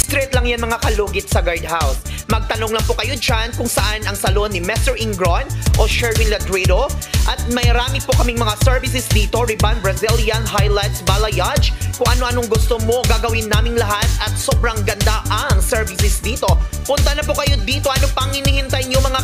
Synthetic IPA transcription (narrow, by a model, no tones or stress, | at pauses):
st̪ɾɛt̪lɐŋjanmɐŋakɐloːɡɪt̪̚sɐɡaɹd̪hawsmɐɡ̚t̪ɐnoŋlɐŋpokɐjo̞d͡ʒankʊŋsɐʔanɐŋsɐlonːɪmɛst̪ɛɹʔɪŋɡɹonʔoʃɛɹmɪnlɐt̪ɾɛd̪oʔɐt̪̚mɐjɐɾaːmɪpokɐmɪŋmɐŋasɛɹvɪs̬ɛsd̪iːt̪o̞ɾɪbanbɾɐziljɐnɦajlajt̪sbalɐjad͡ʒkʊŋʔɐno̞ʔɐnoŋɡʊst̪omo̞ɡaːɡɐwɪnːaːmɪŋlɐɦat̪̚ɐt̪̚sobɾɐŋɡɐnd̪aʔɐŋsɛɹvɪsɛsd̪iːt̪o̞pʊnt̪ɐnɐpokɐjo̞d̪iːt̪o̞ʔɐnopɐŋhɪnihɪnt̪ajɲomɐŋa